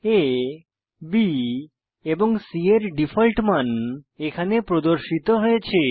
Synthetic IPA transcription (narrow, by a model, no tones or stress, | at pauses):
e | bi | eboŋsieɾɖifʰɔlʈmanekʰanepɾod̪oɾʃit̪oɦojet͡ɕʰe